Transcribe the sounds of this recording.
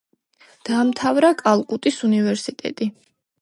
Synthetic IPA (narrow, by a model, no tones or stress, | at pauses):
d̪̥aːmt̪ʰavɾakʼalˠkʼut̪ʼisunivɛɾsit̪ʼɛ̰t̪ʼi